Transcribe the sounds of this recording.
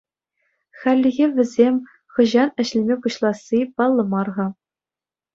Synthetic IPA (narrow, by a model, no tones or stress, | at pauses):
xælʲːĭɣʲeʋʲɘ̆zʲemʲ | χɤ̆ʑɑnɘ̆ɕlʲɘ̆mʲepuɕlˠɑsʲːipɑlˠːɤ̆mɑrʁɑ